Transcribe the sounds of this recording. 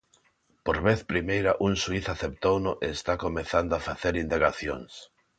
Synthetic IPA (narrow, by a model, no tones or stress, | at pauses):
poɾβeθpɾimejɾɐʔuŋsuiθaθep̚t̪ownʊʔeːst̪akomeθand̪oafaθeɾind̪aɣaθjo̰ŋs